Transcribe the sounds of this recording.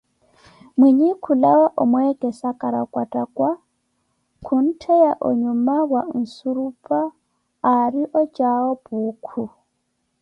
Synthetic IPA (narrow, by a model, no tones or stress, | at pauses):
mwiɲikʰulawaʔɔmwɛkʼɛsakʼaɾakʼwatʼakʼwa | kʰun̩tʰɛjaʔɔ̰ɲumaβwan̩suɾupʼaː | ɾiʔɔt͡ʃʼaɔpuːkʰu